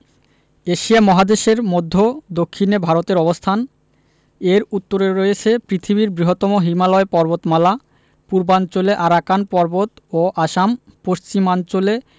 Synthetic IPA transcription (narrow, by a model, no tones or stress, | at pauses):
eʃiamɔɦad̪eʃeɾmod̪ʱːod̪okʰːinebʱaɾot̪eɾɔbost̪ʰan | eɾut̪ːoɾeɾojet͡ɕʰepɾit̪ʰiβiɾbɾiɦot̪ːɔmoɦimalɔepɔɾbot̪mala | puɾbant͡ɕoleʔaɾakanpɔɾbot̪ | oʔaʃampoʃt͡ɕimant͡ɕole